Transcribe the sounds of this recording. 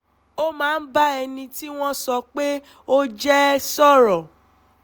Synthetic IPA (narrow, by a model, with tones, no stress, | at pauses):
o˦mãː˨˦n̩˦ba˦ɛ˧nĩ˧ti˦w̃ɔ̃˦sɔ˧k͡pe˦ | o˦d͡ʒɛ˦sɔ˦ɾɔ˨